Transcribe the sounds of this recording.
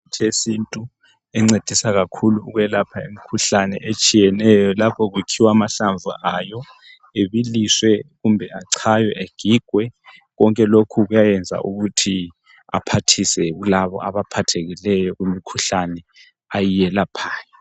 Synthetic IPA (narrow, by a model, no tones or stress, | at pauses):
tʰesintʼu | ɛŋ͡ǀed̥ʱisaɣakʰuluːɣwɛlapʰaemikʰuɬanɛ̰ʔet͡ʃʼijɛnɛjɔlapʰɔɣukʰiwamaɬaɱvʱṵʔajɔ | eβiliswɛɣumbʱɛaǀʰajwɛʔeɡ̥ʱiɡ̥ʱwɛ | ɣɔŋkʼɛlokʰuɣujajɛnd͡zʱa̰ʔuɣutʰi | a̰pʰatʰisɛɣulaβɔ̰ʔaβapʰatʰeɣilɛjɔɣumikʰuɬanɛ | ajijɛlapʰaːjɔ